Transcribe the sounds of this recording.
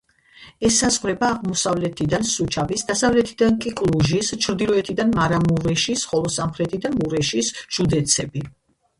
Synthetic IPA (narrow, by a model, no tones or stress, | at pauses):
ɛsːazʁɾɛbaːʁmɔsavlɛt̪ʰid̪ansut͡ʃʰavisd̪asavlɛt̪ʰid̪ankʼikʼlˠuʒist͡ʃʰɾd̪ilˠɔɛt̪ʰid̪anmaɾamuɾɛʃisχɔlˠɔsamχɾɛt̪ʰid̪amuɾɛʃisʒ̥ud̪ɛt̪sʰɛbi